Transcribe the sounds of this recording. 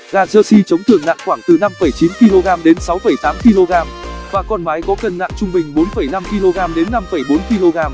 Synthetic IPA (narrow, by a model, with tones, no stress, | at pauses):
ɣaː˨˩zəː˧si˧t͡ɕə˨˦wŋ͡mt̪ɨ˨˧˩əŋna̰ː˧˨ŋxwaː˧˩ŋt̪ɨ˨˩na˧mfə˧˩jt͡ɕi˨˦nki˧lo˧ɣaː˧mɗe˨˦nsa˨˦wfə˧˩jt̪aː˨˦mki˧lo˧ɣaː˧mvaː˨˩kɔ˧nɓaː˨˦jkɔ˨˦kə˨˩nːa̰ː˧˨ŋt͡ɕʊ˧ŋ͡mɓï˨˩ŋ̟ɓo˨˦nfə˧˩jna˧mki˧lo˧ɣaː˧mɗe˨˦nːa˧mfə˧˩jɓo˨˦nki˧lo˧ɣaː˧m